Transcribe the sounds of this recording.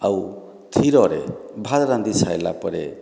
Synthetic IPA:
aw | t̪ʰiɾɔɾḛbʱad̪ɾand̪isʰajla̰pɔɾḛ

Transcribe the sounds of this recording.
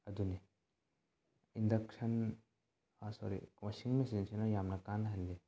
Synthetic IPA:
ɐd̪une | indɐksɐn | sɔ̰ɾḭwasiŋmesinsenɐjamnɐkanɦɐlːe

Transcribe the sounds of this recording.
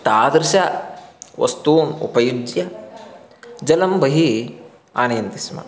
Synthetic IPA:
t̪aːd̪ɾɪʃa | ʋɐ̰st̪uːnṵpɐjud͡ʒjɐ | d͡ʒɐlɐmbɐɦi | aːnɐjɐnt̪ismɐ̰

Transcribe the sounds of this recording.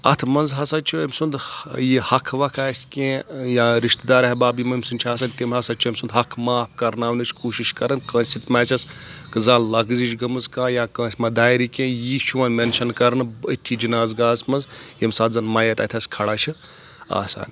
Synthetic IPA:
ɐ̰t̪ʰmɐnzɦɐsɐt͡ʃʰiəmʲsund̪jihɐkʰʋɐkʰaːsʲkẽːjãːɾiʃt̪d̪aːɾɐɦʲbaːbimɐmʲsunʲt͡ʃʰaːsaːnʲt̪imɦɐsɐt͡ʃʰiɐmʲsund̪ɦɐkʰmaːpʰkɐɾnaːʋnit͡ʃʰkuːʃiʃkɐɾɨnkɐ̃ːnsʲit̪maːsʲɐskɨzaːllɐɡzit͡ʃɡɐmɨzkãːjaːkə̃ːsʲmɐd̪aːjɾikʲẽːjiʃʰuʋɐnmenʃɐnkɐɾnɨət̪ʰid͡ʒinaːzɡaːsmɐnzjimsaːt̪zɐnmɐjɐt̪ʲɐt̪ʰʲɐsʲkʰɐɽaːt͡ʃʰi | a̰ːsa̰ːnʲ

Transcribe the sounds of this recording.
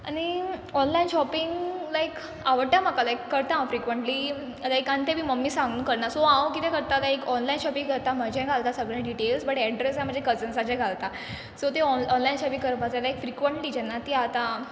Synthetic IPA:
añiɔnlajinɕɔpiŋɡlaek | aʋəɽt̪jamakalaekːəɾt̪ãfɾikʋəɳʈli | laekãnt̪ẽbʱiːməmːiːsãŋɡnũkəɾnasoãwkit̪ɛ̃kəɾt̪at̪aekɔnlajnɕɔpiŋɡəɭt̪am̤əd͡ʑʱɛ̃ɡʱalt̪asəɡɭjãɖiʈelsbəʈɛɖɾesãm̤əd͡ʑʱekət͡sənsad͡ʑɛ̃ɡʱalt̪a | sot̪eɔɔnlajnɕɔpiŋkəɾpat͡salaekfɾikʋəɳʈliːd͡ʑɛnːat̪iat̪a

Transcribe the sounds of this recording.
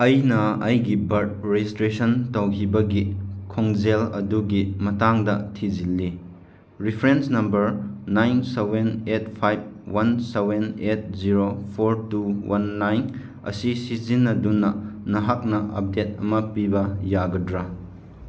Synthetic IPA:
ɐjnɐɐjɡibɐɾt̚ɾed͡ʒistɾesɐntɐwkʰibɐɡikʰoŋzelɐ̰duɡimɐtaŋdɐtʰid͡ʒilːi | ɾipʰɾensnɐmbɐɾnajnsewenet̚pʰajb̚wansewenet̚ziɾopʰoɾtuwanːajn | ɐ̰sisizinːɐdunːɐnɐɦak̚nɐʔɐp̚det̚ɐmɐpibɐjaɡɐdɾa

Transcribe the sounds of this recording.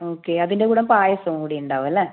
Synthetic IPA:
oːkːeɐðinde̞kuːɽɐmpaːjɐsɐmkuːɽejuɳɖaːʋɐlːɐ

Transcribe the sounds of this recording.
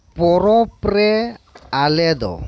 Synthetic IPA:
pɔɾɔprɛalɛd̪ɔ̰

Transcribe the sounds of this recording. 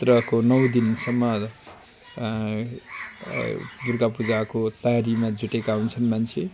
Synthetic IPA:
t̪rʌkonʌw̃d̪insʌmːʌ | burkapud͡zakot̪ʌjaɾimad͡zuʈekawnt͡sʰʌnmant͡sʰe

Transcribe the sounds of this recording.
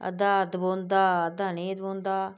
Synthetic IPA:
ə̰d̪aːəd̪bõːnd̪aːəd̪aːnĩːəd̪bõːnd̪aː

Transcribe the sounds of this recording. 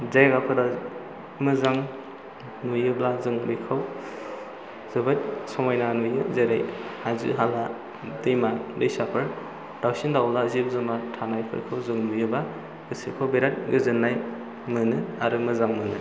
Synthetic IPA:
zajɡapʰɯda | mɯzaŋ | nujɯblazɯŋbɯjkʰɯw | z̥ɯbɯt̚sɔmajnanujɯzeɾejhazɯ̰ɦala | dɯjmalɯjsapʰɯɾ | d̥awsindawlazip̚zɯmatʰanajpʰɯ̰ɾkʰɯwzɯŋnujɯba | ɡ̥ɯsikʰɯwbeɾat̚ɡɯzɯnːaj | mɯnɯaɾɯmɯzaŋmɯnɯ̰

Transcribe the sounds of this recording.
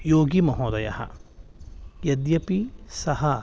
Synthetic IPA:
joːɡimɐɦoːd̪ɐjɐ̰ɦɐ̰ | jɐd̪jɐpisɐɦɐ

